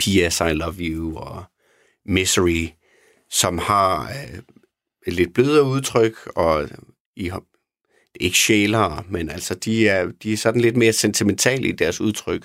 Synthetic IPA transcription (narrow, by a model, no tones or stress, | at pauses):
pʰiesɑ̈ɪlɒʋjuɒ | mesd̥əʁi | sɒ̽mhɑ̈ | le̝d̥̚b̥løð̞ˠɐuð̞ˠt͡sʰʁœɡ̥ɒ̽ | i | d̥e̝e̝ɡ̥əɕḛːlɐːmenæl̰sɒd̥iæɐd̥iæɐsɒ̽d̥n̩le̝d̥me̝ːɐsent͡sʰiment͡sʰɛ̰ːləid̥æɐsuð̞ˠt͡sʰʁœɡ̥